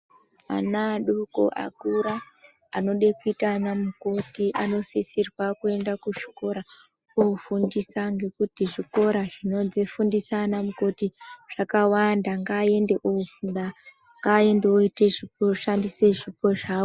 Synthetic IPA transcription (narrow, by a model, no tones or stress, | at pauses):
a̰naɗuko̰ʔa̰kuɾaː | no̞ɗekuitanamuko̞tiʔa̰no̞sesirwakue̞ndakuʐi̥ko̞ɾa | oufundisaŋɡe̞kutiʐiko̞ɾaʐino̞zifundisanamuko̞tiʐ̥akawandaŋɡaːe̞nde̞ʔoufunɗa | ŋɡae̞nde̞oiteʐipoʃandise̞ʐipo̞ʐaːo